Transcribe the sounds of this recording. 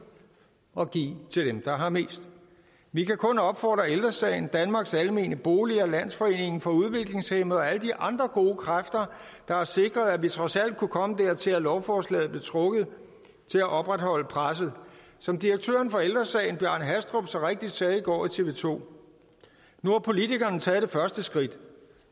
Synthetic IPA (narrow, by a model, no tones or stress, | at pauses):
ɒ̽ɡ̥ḭːt͡sʰe̝ld̥emd̥ɑ̈ɦɑ̈me̝̰ːsd̥ | ʋikʰækʰɔ̽nɒ̽b̥fɒ̰ːd̥ʁɐeld̥ʁɐsɛ̰ːɪn̩d̥ænmɑ̈ɡ̥sælme̝̰ːnəb̥o̝ːliɐlæn̰sfɒ̽e̝̰ːne̝ŋ̩fɒ̽uð̞ˠʋe̝ɡ̥le̝ŋshemð̩ˠɒ̽æləd̥iʔɑ̈nd̥ʁɐɡ̥o̝ːkʰʁafd̥ɐ | d̥ɑ̈æɐse̝ɡ̥ʁɐð̞ˠæʋit͡sʰʁɒ̽sæl̰d̥̚kʰukʰɒ̽məd̥æɐ̰t͡sʰe̝lælɒʊfɒːslɛ̰ːð̞̩ˠb̥lit͡sʰʁɔ̽ɡ̥ð̩ˠ | t͡sʰe̝læʔɒ̽b̥ʁad̥hɒ̽l̰əpʰʁas̬ð̩ˠ | sɒ̽md̥iʁɐɡ̥̚t͡sʰø̰ːɐn̩fɒ̽eld̥ʁɐsɛ̰ːɪn̩b̥jæɐ̰nɦæsd̥ʁob̥sɒʁeɡ̥̚d̥id̥sɛːiɡ̥ɒ̰ːit͡sʰe̝ʋe̝ːt͡sʰo̝̰ː | nuhɑ̈pʰo̝lit͡sʰiɡ̥ɐnt͡sʰɛːðˠd̥e̝fɶɐsd̥əsɡ̥ʁid̥